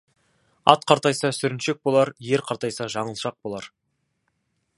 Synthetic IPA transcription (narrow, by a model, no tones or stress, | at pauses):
ɑ̰t̪̚qʰɑɾt̪ɑjsɑsʏɾɪnʃe̞k̚bo̞lˠɑɾje̞ɾqʰɑɾt̪ɑjsɑʒɑɴəlˠʃɑq̚bo̞lˠɑɾ